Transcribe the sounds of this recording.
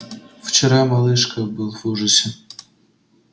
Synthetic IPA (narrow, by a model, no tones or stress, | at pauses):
ft͡ɕɪɾamɐlˠɨʂkəbɨlˠvuʐɨsʲɪ